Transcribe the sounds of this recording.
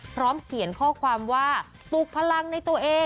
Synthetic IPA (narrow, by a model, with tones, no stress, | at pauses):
pʰɾɔː˦˥mkʰi˨˩˦ənkʰɔː˥˩kʰwaː˧mwaː˥˩ | t̪uː˨˩k̚pʰa˧la˧ŋna˧jt̪u˧ɐʔeː˧